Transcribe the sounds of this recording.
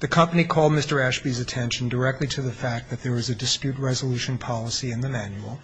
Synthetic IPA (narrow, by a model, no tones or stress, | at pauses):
ðɨkʰʌ̃mpənikʰɔlˠd̚mɪstə˞æʃb̥izɨtʰɛ̃nʃɨ̃n̩də˞ɛk̚tˡliɾɨðɨfæk̚ðɨt̪̚ðə˞ɨzɨdɨspjʉt̚ɹɛzəlʉʃɨ̃n̩pʰɑlˠəsiɨ̃nðɨmæ̃njul̩ˠ